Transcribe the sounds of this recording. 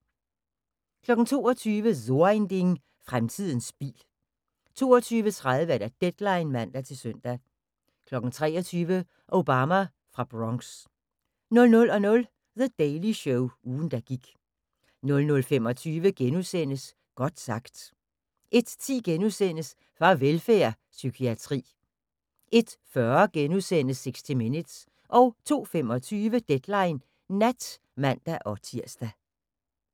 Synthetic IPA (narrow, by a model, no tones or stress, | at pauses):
kʰlɒ̽ɡ̥n̩t͡sʰo̝̰ːɒt͡sʰyːʋəðo̝end̥eŋ | fʁamt͡sʰið̰ˠn̩sb̥ḭːl | t͡sʰo̝̰ːɒt͡sʰyːʋət͡sʰʁaðˠʋəæɐɾ̥æd̥ed̥lɑ̈ɪnmæn̰d̥æt͡sʰe̝lsøn̰d̥æ | kʰlɒ̽ɡ̥n̩t͡sʰʁɛ̰ːɒt͡sʰyːʋə | ʔoʊb̥ɑmæ | fʁɑ̈b̥ʁɒŋs | nɔ̽lnɔ̽lɒ̽nɔ̽l | ðəd̥ɛɪliɕɔʊuːn̩d̥æɡ̥iɡ̥ | nɔ̽lnɔ̽lfem̰ɒ̽t͡sʰyːʋəɡ̥enuðˠsen̰əs | ɡ̥ɒ̽d̥sɑ̈ɡ̥d̥ | ʔe̝d̥t͡sʰḭːɡ̥enuðˠsen̰əs | fʁɑ̈ʋelfæɐ | sykʰiæt͡sʰʁḭː | ʔe̝d̥fɶɐɡ̥enuðˠsen̰əseɡ̥sd̥ʰiminəd̥s | ʔɒ̽ʊt͡sʰo̝̰ːfem̰ɒ̽t͡sʰyːʋəd̥ed̥lɑ̈ɪnː | æd̥ | mæn̰d̥æʔɒ̽t͡sʰiɐ̰sd̥æ